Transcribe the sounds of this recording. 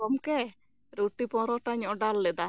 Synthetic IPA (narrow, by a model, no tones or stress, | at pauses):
ɔmke | ɾuʈipɔ̃ɾɔʈaɲɔɖalːɛd̪a